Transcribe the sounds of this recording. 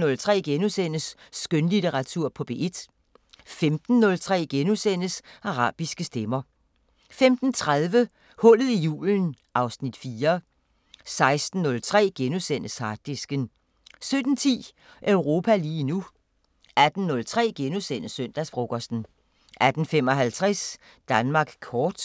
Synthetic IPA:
nɔ̽lt͡sʰʁɛ̰ːɡ̥enusen̰əsːɡ̥ønlit͡seʁɑ̈t͡sʰuɐ̰pʰɒ̽b̥e̝ʔe̝d̥ | femd̥n̩ːɔ̽lt͡sʰʁɛ̰ːɡ̥enusen̰əsɑ̈ʁɑ̰̈ːb̥isɡ̥əsd̥emɐ | femd̥n̩t͡sʰʁaðˠʋə | hɔ̽l̰ð̩ˠijṵːln̩ | ʔɑ̈ʊsnid̥fiːɐ | sɑ̈ɪsd̥n̩ːɔ̽lt͡sʰʁɛ̰ːɡ̥enusen̰əshɑ̈d̥isɡ̥ən | sød̥n̩t͡sʰḭː | ʔøʊʁo̝ːpʰæliːnu | æd̥n̩nɔ̽lt͡sʰʁɛ̰ːɡ̥enusen̰əsøn̰d̥æsfʁoɡ̥ɒsd̥n̩ | ʔæd̥n̩fem̰ɒ̽ɦælt͡sʰʁɛs | d̥ænmɑ̈ːɡ̥kʰɒːd̥

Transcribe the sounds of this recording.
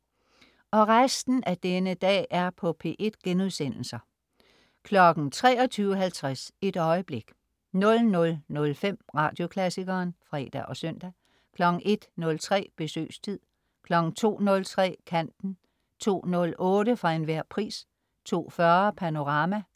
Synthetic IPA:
ɒ̽ʁasd̥n̩æd̥enəd̥ɛ̰ːʔæɐpʰɒ̽pʰe̝̰ːʔe̝d̥ɡ̥enuðˠsen̰l̩sɐ | kʰlɒ̽ɡ̥n̩t͡sʰʁɛːɒ̽t͡sʰyːʊəɦælt͡sʰʁase̝d̥ɒ̽ɪəb̥le̝ɡ̥ | nɔ̽lnɔ̽lnɔ̽lfem̰ʁɑ̈ːd̥jo̝kʰlæsiɡ̥ɐːnfʁɛ̰ːd̥æ̰ʔɒ̽sœn̰d̥æ | kʰlɒ̽ɡ̥n̩ʔe̝d̥nɔ̽lt͡sʰʁɛ̰ːb̥e̝sø̰ːst͡sʰið̰ˠ | kʰlɒ̽ɡ̥n̩t͡sʰo̝̰ːnɔ̽lt͡sʰʁɛ̰ːkʰæn̰d̥n̩ | t͡sʰo̝̰ːnɔ̽lɔ̽ːɾəfʁɑ̈e̝nʋæɐ̰pʰʁḭːs | t͡sʰo̝̰ːfɶɐpʰæno̝ʁɑ̈mæ

